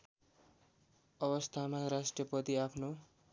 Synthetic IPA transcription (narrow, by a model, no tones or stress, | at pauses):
ʌβʌst̪ʰamarasʈrʌpʌt̪iapʰno